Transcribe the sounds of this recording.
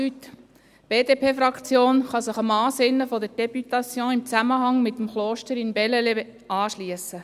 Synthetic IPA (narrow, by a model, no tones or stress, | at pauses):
yt | b̥eːdeːpʰeːfɾɑkt͡sjoːnχɑsɪχɑmɑːsɪnːəfɔdəɾd̥ɛbytɑsjɔ̃ːɪmt͡sæməɦɑŋmɪt̪ːəmχloːʃtəɾɪnbɛlɛle | ʔɑːʃliəsə